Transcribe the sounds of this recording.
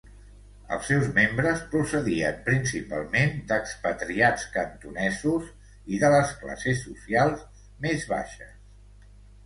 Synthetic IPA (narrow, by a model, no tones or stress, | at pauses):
ə̰lˠsːɛwzmembɾəspɾusəðiəmpɾinsipa̰lˠmend̪əkspət̪ɾiat͡skənt̪unɛzuz | iðələskla̰sesːusialˠz | mezβa̰ʃəs